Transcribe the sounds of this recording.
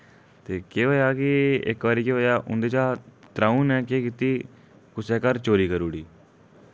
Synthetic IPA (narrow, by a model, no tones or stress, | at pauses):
t̪eːkeːɦoːjaːkɪɪ̰kʋaːɾiːkeːɦoːjaːʔʊ̰nd̪eːt͡ʃaːt̪ɾaːũːnɛ̃ːkeːkit̪iː | kʊseːkəɾt͡ʃoːɾiːkəɾuːɽiː